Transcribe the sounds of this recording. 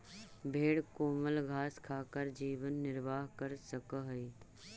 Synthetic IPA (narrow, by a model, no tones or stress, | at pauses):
bʱeːɽkoːməlɡʱaːskʰaːkəɾd͡ʒiːʋənːɪɾʋaːɦkəɾsəkəɦɛi